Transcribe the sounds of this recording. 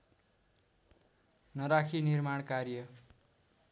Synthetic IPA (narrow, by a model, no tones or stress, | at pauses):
nʌɾakʰinirmaɽkarjʌ